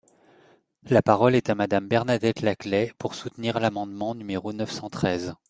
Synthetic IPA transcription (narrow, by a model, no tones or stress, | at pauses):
lapaʁɔlɛt̪amad̪ambɛʁnad̪ɛt̪laklɛpuʁsut̪niʁlamɑ̃d̪mɑ̃nymeʁonœfsɑ̃t̪χɛz